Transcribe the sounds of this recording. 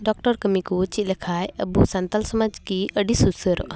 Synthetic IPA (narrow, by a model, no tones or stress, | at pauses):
ɖɔk̚ʈəɾkəmikut͡ʃilɐkʰaːjəbusant̪alsəmad͡ʒkiəɖisusəɾɔ̰ʔ